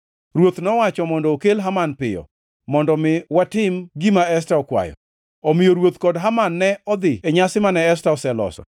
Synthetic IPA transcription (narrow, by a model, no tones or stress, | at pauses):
ɾwot̪nɔwat͡ʃɔmɔndɔokelɦamanpɪ̰jɔ̰ | mɔndɔmɪwatɪmɡimaɛs̬taɔkwa̰jɔ̰ | omijoɾwot̪kɔdɦamanːɛɔd̪ɪeɲasɪmanɛɛstaɔsɛlɔ̰sɔ̰